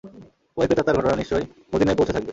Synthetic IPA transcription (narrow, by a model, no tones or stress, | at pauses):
pojbet̪at̪aɾɡʱɔʈonaniʃt͡ɕɔj | mod̪inajpowt͡ɕʰet̪ʰak̚be